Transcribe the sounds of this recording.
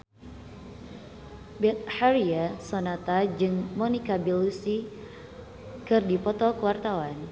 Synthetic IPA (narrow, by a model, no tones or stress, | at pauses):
bɛt̪̚haɾiasɔnat̪ad͡ʒɨŋmɔnikabilusi | kɨrdipɔt̪ɔkəwart̪awan